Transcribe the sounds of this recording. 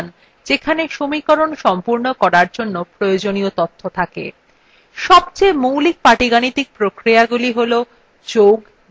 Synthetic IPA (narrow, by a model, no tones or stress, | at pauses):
n | d͡ʑekʰaneʃomikoɾonʃɔmpuɾnokɔɾaɾd͡ʑonːopɾojod͡ʑoniot̪ot̪ʰːot̪ʰakḛ | ʃɔb̚t͡ɕemowlik̚paʈiɡanit̪ik̚pɾokɾiaɡuliɦolo | d͡ʑoɡ